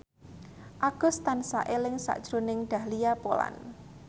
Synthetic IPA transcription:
ʔaɡ̥ʊ̤st̪ansa̰ʔelɪŋsa̰ʔd̥ʒ̥ɾonɪŋɖ̪̥a̤hlijapola̰n

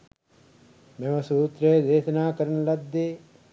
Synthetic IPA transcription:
memɐsuːt̪ɾeːd̪eːʃɐnaːkɐɾɐnɐlɐd̪ːe

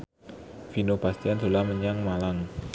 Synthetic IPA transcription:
finopast̪iant̪o̤lahməɲaŋmalaŋ

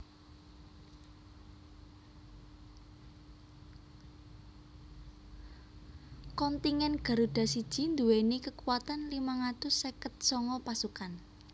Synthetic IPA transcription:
kɔnt̪iŋɛnɡ̥a̤ɾuɖ̥a̤sid̥ʒ̥i̤nd̪uwenikəkuwat̪anlimaŋat̪ʊsːekət̪̚sɔŋɔpasukan

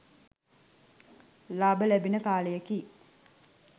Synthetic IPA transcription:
laːbəlæbinəkaːlejəki

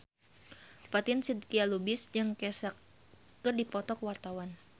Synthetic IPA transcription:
pat̪ɪnsid̪̚kialubɪsd͡ʒɨŋkɛsakː | ɨrdipɔt̪ɔkwart̪awan

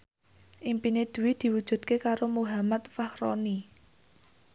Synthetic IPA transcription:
ʔimpined̪̥ṳwid̪̥i̤wud̥ʒ̥ṳd̪̚kekaɾomuɦamat̪fahɾɔ̰ni

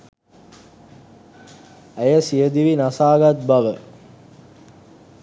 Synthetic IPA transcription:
æjəsijəd̪iʋinasaːɡat̪̚baʋə

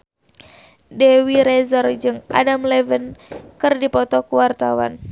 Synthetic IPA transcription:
dɛwiɾɛzɔrd͡ʒɨŋʔa̰damlɛvənkɨrdipɔt̪ɔkuwart̪awa̰n

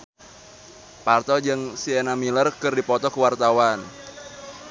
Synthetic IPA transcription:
part̪ɔd͡ʒɨŋsienamilərkɨrdipɔt̪ɔkuwart̪awan

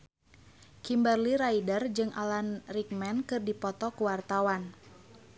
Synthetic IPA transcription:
kimbərliɾaidərd͡ʒɨŋʔalanrik̚mɛnkɨrdipɔt̪ɔkuwart̪awan

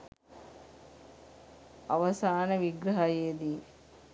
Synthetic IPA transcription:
ɐʋɐsaːnəʋiɡɾɐɦɐjeːd̪iː

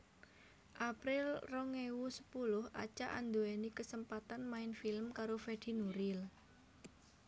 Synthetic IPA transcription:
ʔapɾɪlrɔŋewusə̥pulʊhʔa̰t͡ʃa̰ʔa̰nd̪oɛnikəsəmpat̪anmaɪnfilmkaɾofɛd̪̥i̤nuɾɪl

